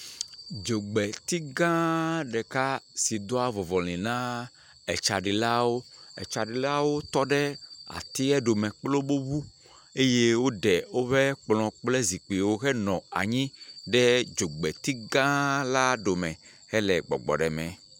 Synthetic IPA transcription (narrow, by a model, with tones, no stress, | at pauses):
d͡ʒo˨ɡ͡bɛ˨t̪i˦ɡã˦ɖɛ˨ka˦si˨d̪o˦a˦vɔ˨vɔ˨l̃ĩ˨nã˦ | ɛ˨t͡ʃa˨ɖi˨la˦wo˦ɛ̰˨t͡ʃa˨ɖi˨la˦wo˦t̪ɔ˦ɖɛ˦a̰˨t̪i˦ɛ˦ɖo˨mɛ̃˨k͡plo˦bo˦βu˦ | e˦je˦wo˦ɖɛ˨wo˦ɸɛ˦k͡plɔ̃˨k͡ple˦zi˨k͡pi˨wo˦ɣɛ˦nɔ̃˨a̰˨ɲĩ˦ɖɛ˦d͡ʒo˨ɡ͡bɛ˨t̪i˦ɡã˦la˦ɖo˨mɛ̃˨ | ɣɛ˦lɛ˨ɡ͡bɔ̰˨ɡ͡bɔ̰˨ɖɛ˨mɛ̃˨